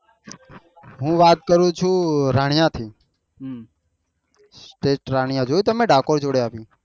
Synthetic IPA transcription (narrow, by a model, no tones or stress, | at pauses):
ɦũʋat̪̚kəɾũt͡ʃʰuɾaɽjãt̪ʰi | sʈeʈɾaɽ̃ijãd͡ʒojt̪əmẽɖakoɾd͡ʒoɽeaːpĩ